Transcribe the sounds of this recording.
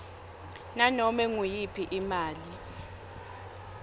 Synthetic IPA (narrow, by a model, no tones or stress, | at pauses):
nanɔmɛŋujipʰiʔimaːli